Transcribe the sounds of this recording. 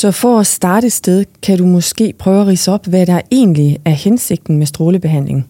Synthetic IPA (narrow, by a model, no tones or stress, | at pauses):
sɒ̽fɒæsd̥ɑ̈ːɾ̥əd̥sd̥eð̞ˠkʰæɾumɒ̽sɡ̥e̝̰ːpʰʁœʊæʁḭːsəɒ̽b̥ʋæɾɑ̈e̝̰ːnliæɐhense̝ɡ̥̚d̥n̩mesd̥ʁo̝ːləb̥e̝ɦæn̰le̝ŋ